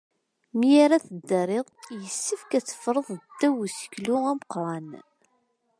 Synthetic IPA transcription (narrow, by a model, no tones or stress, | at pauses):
mijaɾæθəd̪ːəɾeðˤjəsːəfkæt͡sːə̥fɾˤəðˤd̪ːæwusə̥çlʊæməqɾˤɑn